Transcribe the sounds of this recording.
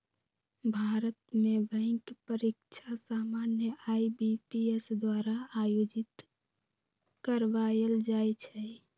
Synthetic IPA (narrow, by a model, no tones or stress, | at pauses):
bʱaːɾət̪mebə̃ɪ̃kpəɾikt͡ʃʰasaːmaːnjəʔaibipiesd̪waːɾaajod͡ʒɪt̪ | kəɾʋajəld͡ʒajt͡ʃʰɛ